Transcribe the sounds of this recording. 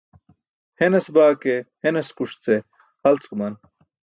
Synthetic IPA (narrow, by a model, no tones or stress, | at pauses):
henesbaːkeheneskuʂt͡se | hɐlt͡skumɐn